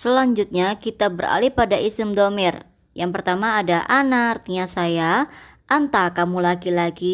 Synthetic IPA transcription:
səlaɲd͡ʒut̪̚ɲakit̪abəra̰lihpadaʔisɪmdomɪr | jaŋpərt̪amaːdaʔanaːrt̪iɲasajaʔant̪akamulakilaɡi

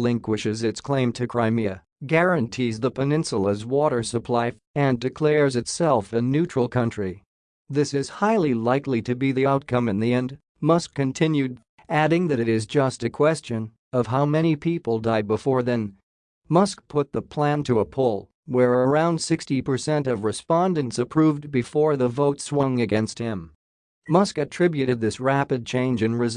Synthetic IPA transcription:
lɪ̃ŋkwɨʃɨzɨtskʰl̥ẽɪ̃mtʰɨkʰɹ̥aɪmiɨ | ɡɛɹɨ̃ntʰizðəpʰɨnɪ̃nsl̩ˠəzwɔɾə˞səpʰl̥aɪ | ɨ̃ndɨkʰl̥ɛɹzɨtsɛlˠfɨnʉt͡ʃɹ̥l̩ˠkʰʌ̃nt͡ʃɹ̥i | ðɪsɨz̥haɪlˠilaɪkliɾɨbiðiaʊt̚kʰʌ̃mɨ̃nðiɛ̃nd | mʌskʰɨ̃ntʰɪ̃njʉd̚ | æɾɪ̃ŋðɨɾɨɾɪzd͡ʒʌstɨkʰw̥ɛst͡ʃɨ̃n | ʌv̥ɦaʊmɛñipʰipl̩ˠdaɪd̚bəfɔɹðɨ̃n | mʌsk̚pʰʊt̪̚ðəpʰl̥æ̃ntʰɨəpʰʊlˠ | wə˞ə˞ãʊ̃nd̥sɪkstipʰə˞sɛ̃ntʌvɹɨspɑ̃ndɨ̃ntsɨpʰɹ̥uvbɨfɔɹðəvoʊtswʌ̃ŋɨɡɛ̃nst̚hɪ̃m | mʌskɨtʰɹ̥ɪbjʉɾɨd̪̚ðɪsɹæpɨd̚t͡ʃʰẽɪ̃nd͡ʒɨ̃nɹɨz

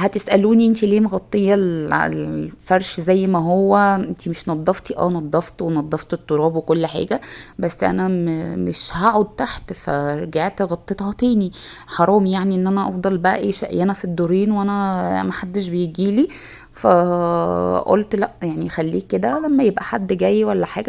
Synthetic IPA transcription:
hæt̪esʔæluːniʔent̪ileːmɣɑt̪ˤːejːɑl̰lfɑɾˤʃzæjːmæɦowːæʔent̪imeʃnɑd̪ˤːɑft̪iʔæ̰wnɑd̪ˤːɑft̪wenɑd̪ˤːɑft̪et̪ˤːoɾˤɑːbwekolːħa̰ːɡæbæsːʔæ̰næmmeʃhaʕod̪̚t̪aħt̪fæ̰ɾˤɑɡaʕt̪ɣɑt̪ˤːet̪hɑt̪æːniħɑɾˤɑːmjaʕniʔenːʔænæʔɑfd̪ˤɑlbæʔæ̰ʔḛːʃæ̰ʔjænæfid̪ːoɾiːnwʔænæmæħad̪ːeʃ̬bejeɡiːli | fæ | ʔo̰lt̪læʔjaʕnixælːiːkːed̪ælæmːæjebʔæħad̪ːɡæjːwælːæħa̰ːɡæ

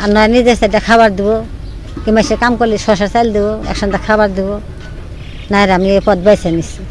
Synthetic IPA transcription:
anɔjanid̪esd̪ɛdɛkʰaβaɾd̪ibɔ | kimasɛkamkɔlisɔsaɾsajld̪ibɔɛ̰kʃɔnd̪akʰabaɾd̪ibɔ | naɛɾamniepɔd̪̚bajsɛnis

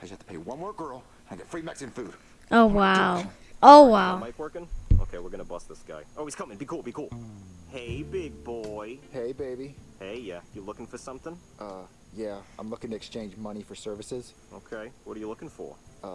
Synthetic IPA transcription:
ɨd͡ʒɨhæftʰəpʰeɪwʌ̃nmwɔɹɡ̥ɜ˞lˠ | ə̃nɡɛtfɹimɛksɨ̃nfud̥ | ʔoʊwaʊʔoʊwaʊmaɪkwɜ˞kɨ̃noʊkʰeɪwɨɹɡʌ̃nəbʌsðɪsɡ̥a̰ɪoʊiz̥kʰʌmɪ̃ŋbikʰulˠbikʰulˠheɪbɪɡ̚bɔɪheɪbeɪbiheɪjæjɨlʊkɪ̃ŋfə˞sʌ̃mθɪ̃ŋ | ʔʌ | jæã̰ɪ̃mlʊkɪ̃ŋtʰɨːkst͡ʃʰẽɪ̃nd͡ʒmʌñifə˞sɜ˞vɨsɪz̥ | oʊkʰeɪwʌɾə˞jəlʊkɪ̃ŋfə̰˞ʌ

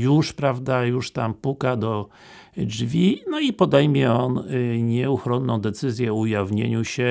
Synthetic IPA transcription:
juʂpɾavd̪ajuʂt̪ampukad̪ɔ | d͡ʐvʲinɔipɔd̪ɛjmʲjɛɔnɲɛuxɾɔnːɔ̃w̃d̪ɛt̪sɘzʲjɛɔujavɲḛɲuɕɛ

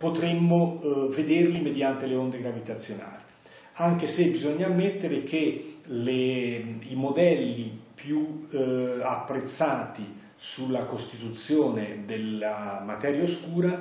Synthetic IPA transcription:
pot̪ɾemːoved̪erlimed̪jant̪eleond̪eɡɾavit̪at̪sːjona̰ːli | aŋk̟esebizoɲːaːmːet̪ːeɾek̟eleimod̪ɛlːipju | apːɾet̪sːaːt̪i | sulːakost̪it̪ut̪sːjoːned̪elamat̪ɛːɾjaoskuːɾa

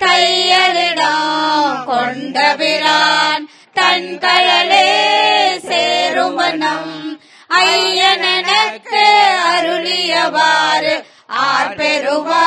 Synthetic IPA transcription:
kɐjɐlɪɽɐ | kɔɳɖɐʋɪɾaːn | t̪ɐnkɐɻɐle | seːɾɯmɐnɐm | ɐjɐnɛnɐt̪ːɯɐɾʊlɪjɐʋaːɾ | aːɾpeɾɯʋa

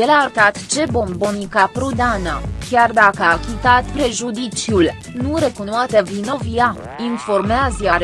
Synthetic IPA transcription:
jelart̪at̪t͡ʃe̞bo̞mbonikapɾud̪anəkʲard̪akəakʲit̪at̪pɾe̞ʒud̪it͡ʃjul | nuɾe̞kunoat̪evino̞via | info̞rmeazaɾe

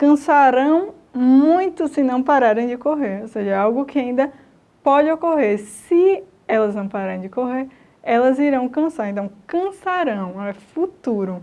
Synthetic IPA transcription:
kɐ̃saɾɐ̃w̃ | mũj̃t̪ʊsɪnɐ̃w̃paɾaɾẽj̃d͡ʒɪkoɦeɾoseʒɐɛawɡʊkɪaĩnd̪ɐ | pɔd͡ʒɪokoɦeɾsɪ | ɛlɐznɐ̃w̃paɾaɾẽd͡ʒɪkoɦeɾ | ɛlɐziɾɐ̃w̃kɐ̃saɾẽnt̪ɐ̃w̃kɐ̃saɾɐ̃w̃ɛfut̪uɾʊ

